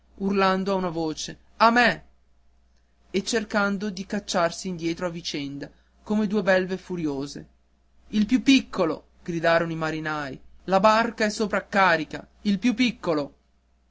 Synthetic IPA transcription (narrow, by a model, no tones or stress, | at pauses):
urland̪oaunavoːt͡ʃe | amɛ | et͡ʃːerkand̪od̪ikat͡ʃːarsiːnd̪jɛːt̪ɾoavit͡ʃɛnd̪a | koːmed̪uːebɛlvefuɾjoːzḛ | ilpjupːikʰːolo̰ | ɡ̥ɾid̪aːɾonoimaɾinajlabarkaɛsːoːpɾaːkːaːɾika̰ | ilpjupːikːolo